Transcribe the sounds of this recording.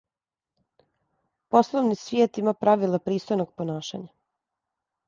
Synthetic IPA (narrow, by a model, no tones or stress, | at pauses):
poslˠoʋnisʋjeːt̪imapɾaʋilˠapɾiːst̪ojnoɡ̚ponaːʃa̰ɲa